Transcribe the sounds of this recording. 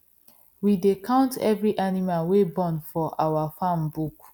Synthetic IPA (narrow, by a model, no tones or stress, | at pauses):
widekʰãʊ̃ntɛ̰vɹiʔanimalwebɔ̃nfɔʔawafãmbuk